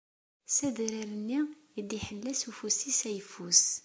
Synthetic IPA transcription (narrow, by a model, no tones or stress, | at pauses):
sæðɾiɾənːi | id̪iħəlːæsufusisæjəfus